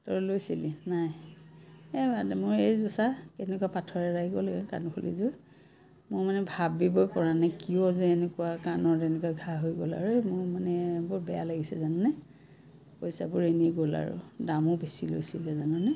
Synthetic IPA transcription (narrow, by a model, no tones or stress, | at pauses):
tɔɹlojsilinaj | ɛbadɛmʊɹejzʊsakɛnɛkuwapatʰɔɹɛɹaiɡɔlaɡɛka̰nʊkʰolḭzʊɹ | mʊɹmanɛbʱabibojpɔɹanakiɔzɛɛnɛkuwakanɔɹtɛnɛkwaɡʱaɦojɡo̰la̰ɹumʊɹmanɛbʊɹbɛja̰laɡisɛzananɛ | pojsa̰bʊɹeniɡola̰ɹʊ̰damʊbesilo̰jsilɛzananɛ